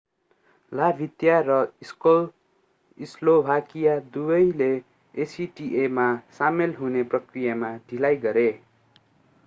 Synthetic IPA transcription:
labʱit̪jarʌiskol | islobʱakijad̪ubʌjle | siʈiʔemasamelɦuneprʌkrijamaɖʱilajɡʌɾe

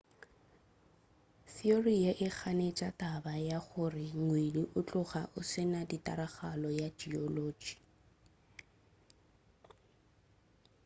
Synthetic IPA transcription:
sioriaʔɪk͡xʰanet͡ʃʼatʼabajaɣʊrɪŋweliʔʊt͡ɬʼʊɣa̰ʔʊsɪnaditʼa̰ɾaɣalɔjad͡ʒiɔloːd͡ʒi̥

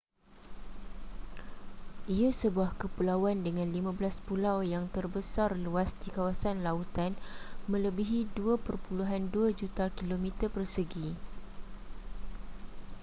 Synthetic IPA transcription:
ʔiasəbuahkəpulawandəŋãnlimãbəlaspulawjaŋt̪ərbəsarluasdikawasanlaut̪anmə̃ləbiɦiduapərpuluɦanduad͡ʒut̪akilomĩt̪ərpərsəɡi

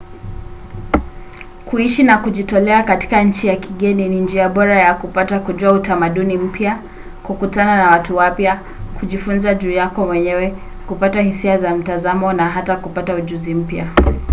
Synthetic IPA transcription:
kuiʃinakuʄitɔlɛakati̥kaɲ̩t͡ʃijakiɠɛninind͡ʒiaɓɔɾajakupatakuʄuautamaɗunim̩pja | kukutananawatuwapja | kuʄifunzaʄuːjakɔwɛɲɛwɛ | kupatahisiazam̩tazamɔnaɦatakupatauʄuzim̩pja

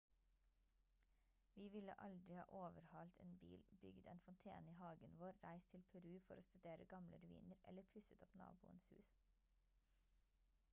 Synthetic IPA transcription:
ʋiːʋɪlə̰ʔɑld̪ɾɪhɑ̰ːʔoːʋəɾhɑlt̪ʰḛːnbḭːlbʏɡd̪eːnfɔnt̪ʰḛːniːhɑːɡənʋoːɾɾæɪst̪ʰɪlpʰɛɾʉːfɔɾoːst̪ʉd̪eːɾəɡɑmlə̰ɾʉḭːnəɾɛ̰ləpʰʉsət̪ʰɔpnɑ̰ːbuːənshʉ̰ːs

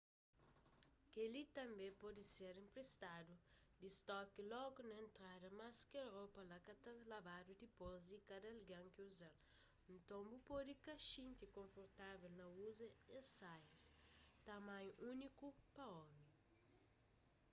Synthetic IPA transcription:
kelit̪ɐ̃mbẽpɔd̪iseɾĩmpɾest̪adud̪ist̪ɔkilɔɡunɐẽnt̪ɾadɐmaskeɾopɐlakat̪azlabad̪ud̪ipozd̪ikad̪ɐlɡãŋkiuzal | ũnt̪õmbupod̪ikaʃĩnt̪ikõɱfoɾt̪avelnɐuzɐẽnsajst̪amãjunikupɐɔmi

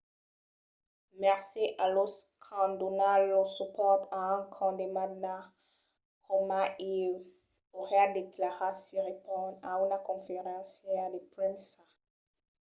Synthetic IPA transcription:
mɛʁsiʔalɔskʰɑ̃d̪onalɔsupɔʁt̪aɛ̃kʰɑ̃d̪emadna | kɔmaʔi | oʁjad̪eklaʁasiʁepɔ̃daynakɔ̃feʁɑ̃sjɛld̪epɾɛ̃nsa

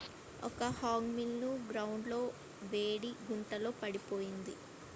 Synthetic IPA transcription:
ɔ̰kɐhaːŋɡmilnuɡɾɐwuɳɖlo̞ː | ʋeːɽiɡuɳʈɐlo̞ːpɐɽipo̞ːjind̪i

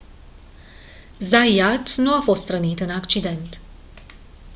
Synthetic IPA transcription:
zajat̪nuafo̞st̪ɾənit̪ɨnakt͡ʃid̪e̞nt̪

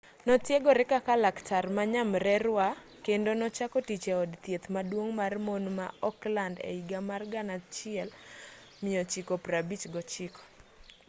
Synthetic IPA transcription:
nɔtjeɡɔɾɪkakalaktʰarmaɲamɾɛɾwa | kendonɔt͡ʃakɔtit͡ʃeɔdt̪jet̪madwoŋmarmonma̰ɔklandḛiɡamarɡanat͡ʃɪɛl | mɪɔt͡ʃikopɾabit͡ʃɡɔt͡ʃikɔ̥

